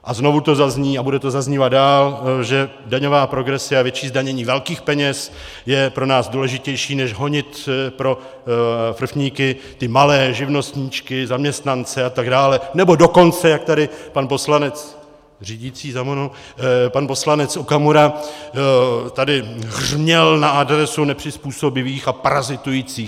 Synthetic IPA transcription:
ʔazno̞vut̪o̞zazɲiːabudɛt̪o̞zazɲiːvad̪̚daːlʒɛdaɲo̞vaːpɾo̞ɡɾɛsɪavjɛt͡ʃiːzdaɲɛɲiːvɛlkiːxpɛɲɛs | jɛpɾo̞naːzduːlɛʒɪcɛjʃiːnɛʒɦo̞ɲɪt̪pɾo̞ | fr̩fɲiːkɪ | t̪ɪmalɛːʒɪvno̞st̪ɲit͡ʃkɪzamɲɛst̪nant͡sɛat̪aɡdaːlɛnɛbo̞do̞ko̞nt͡sɛjak̚t̪adɪpanpo̞slanɛt͡s | riːɟit͡siːzamono | panpo̞slanɛt͡sokamoɾa | t̪adɪrmɲɛlnaʔadɾɛsunɛpr̝̥ɪspuːso̞bɪviːxapaɾazɪt̪ujiːt͡siːx

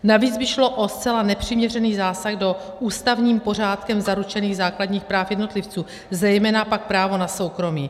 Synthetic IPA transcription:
naviːd͡zbɪʃlo̞ʔost͡sɛlanɛpr̝̥ɪmɲɛr̝ɛniːɣzaːsaɣdo̞ | ʔuːst̪avɲiːmpo̞r̝aːt̪kɛmzaɾut͡ʃɛniːɣzaːkladɲiːxpɾaːfjɛdno̞t̪lɪft͡suː | zɛjmɛːnapak̚pɾaːvo̞naso̞wkɾo̞mḭː

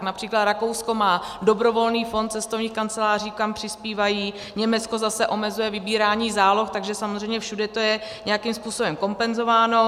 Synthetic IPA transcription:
knapr̝̥iːklat̪ɾako̞wsko̞maːdo̞bɾo̞vo̞lniːfo̞nt̪t͡sɛst̪ovɲiːxkant͡sɛlaːr̝iːkampr̥ɪspiːvajiː | ɲɛmɛt͡sko̞zasɛʔo̞mɛzujɛvɪbiːɾaːɲiːzaːlo̞xt̪aɡʒɛsamozrɛjmɲɛfʃudɛt̪o̞jɛɲɛjakimspuːsobɛmko̞mpɛnzo̞vaːno̞

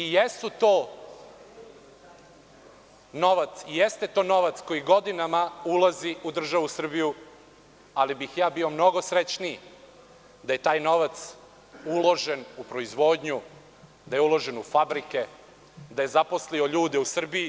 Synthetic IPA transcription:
ijesut̪oː | no̞ʋat̪sijest̪e̞t̪o̞ːno̞ʋat̪sko̞jiɡo̞d̪inamaulaziud̪r̩ʒaʋusr̩biju | alibixjaːbio̞mno̞ɡo̞sɾet͡ʃni | d̪aje̞t̪aːjno̞ʋat̪s | ulˠo̞ʒe̞nupɾo̞izʋo̞ːd̪ɲu | d̪ajeulˠo̞ʒe̞nufabɾike̞ | d̪aje̞zapo̞slio̞ʎuːd̪eusr̩biji

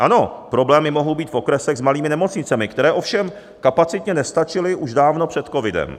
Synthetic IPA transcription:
ʔano̞pɾo̞blɛːmɪmo̞ɦowbiːt̪fʔo̞kɾɛsɛɣzmaliːmɪnɛmo̞t͡sɲɪt͡sɛmɪkt̪ɛɾɛːʔo̞fʃɛm | kapat͡sɪt̪ɲɛnɛst̪at͡ʃɪlɪʔuʒdaːvno̞pr̝̥ɛt̪ko̞vɪdɛ̰m

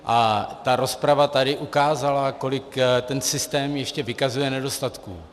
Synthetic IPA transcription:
ʔat̪aɾo̞spɾavat̪adɪʔukaːzalako̞lɪkt̪ɛnsɪst̪ɛːmjɛʃcɛvɪkazujɛnɛdo̞st̪at̪kṵː

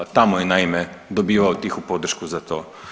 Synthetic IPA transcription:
t̪amɔjɛnajmɛ | d̪obiːʋawt̪ixupod̪r̩ʃkuzat̪oː

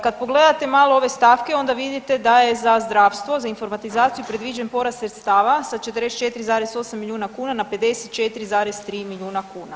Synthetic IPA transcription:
kad̪̚po̞ɡle̞d̪at̪e̞maːlˠoo̞ʋe̞st̪aːfke̞o̞nd̪aʋid̪it̪e̞d̪ajezazd̪ɾaːfst̪ʋo̞zainfo̞ɾmat̪izaːt̪siupɾe̞d̪ʋid͡ʑenpo̞ɾast̪ɾet̪st̪aːʋasat͡ʃe̞t̪ɾest͡ʃe̞t̪iɾizaːɾeso̞samːilʎʲjuːnakuːnanape̞d̪e̞set̪̚t͡ʃe̞t̪iɾizaːɾest̪ɾiːmiʎʲuːnakuːna

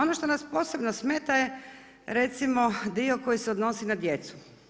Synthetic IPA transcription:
o̞noʃt̪o̞naspo̞ːse̞bnosmeːt̪aje | ɾe̞t̪simo̞d̪io̞ko̞jiseo̞d̪no̞sinad̪je̞t̪su̥

